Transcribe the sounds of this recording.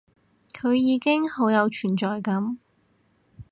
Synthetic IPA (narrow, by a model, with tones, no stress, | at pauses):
kʰɵ˨˧ɥjiː˨˧kɪ˥ŋho˨˥wjɐ˨˧wt͡ʃʰyː˨˩nt͡ʃɔː˨jkɐ˨˥m